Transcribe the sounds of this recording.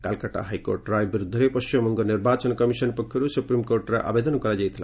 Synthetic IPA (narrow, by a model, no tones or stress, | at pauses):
kalkaʈa̰ɦajko̰ɾʈɾajbiɾud̪ʱːɔɾepɔst͡ʃimɔmɔŋɡɔniɾbat͡ʃɔnkɔmisɔnpɔkʰːjɔɾusupɾimkoɾʈɾaʔa̰bed̪ɔnɔkɔɾad͡ʒajt̪ʰila̰